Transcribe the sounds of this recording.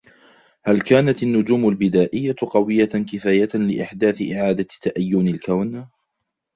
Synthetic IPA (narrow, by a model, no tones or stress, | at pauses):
halkaːnat̪anːʊd͡ʒuːmalbɪd̪aːʔɪjːaqɑwɪjːakɪfaːjalɪʔɪħd̪aːθɪʔɪʕaːd̪at̪ːaʔajːʊnɪlkawn